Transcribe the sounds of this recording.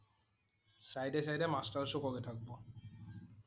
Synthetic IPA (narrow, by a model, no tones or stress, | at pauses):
sajɖesajɖemasʈaɾʃukoɡet̪ʰak̚bo